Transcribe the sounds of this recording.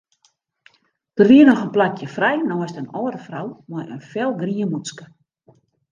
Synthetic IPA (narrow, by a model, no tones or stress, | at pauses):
d̥ərʋiənɔxənplakjəfrɛjnɔəstənɔːdəfrawmɔjənfɛlˠɡriəmut͡skə̥